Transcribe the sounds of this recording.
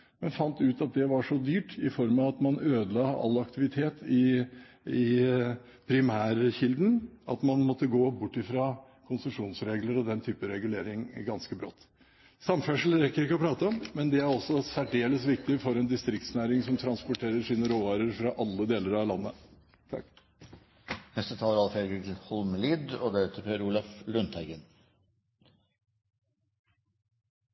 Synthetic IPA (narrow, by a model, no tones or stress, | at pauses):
mɛnfɑnt̪ʉːt̪ɑt̪̚d̪ɛʋɑʂɔd̪yːʈɪfɔɾmɑɑt̪mɑnøːd̪əlɑːɑ̰lːɑkt̪ɪʋɪt̪ʰeːt̪ɪ | ɪ | pʰɾɪmæːɾçɪld̪nɑ̰t̪mɑnmɔt̪ːəɡoːbʊʈːɪfɾɑː | kʰʊnsəmʂuːnsɾeːɡləɾɔd̪ɛnt̪ʰyːpəɾɛɡʉleːɾɪŋɡɑnskəbɾɔ̰t̪ː | sɑmfœʂl̩ɾɛkːəɾɪkːəɔpʰɾɑːt̪əɔmmɛnd̪ɛæɾɔsːɔsæɖeːləsʋɪk̚t̪ɪfɔɾɛnd̪ɪst̪ɾɪk̚t̪snæːɾɪŋsɔmt̪ʰɾɑnspʊʈʰeːɾəɾʂiːnəɾoːʋɑːɾəɾfɾɑʔɑlːəd̪eːləɾɑʋlɑnːə | t̪ʰɑ | hɛst̪ət̪ʰɑːləɾɑlfeɡət̪ʰɪhɔlmliːd̪ɔd̪æɾet̪ʰəɾpʰeːɾuːlɔflʉnt̪ʰæɪɡən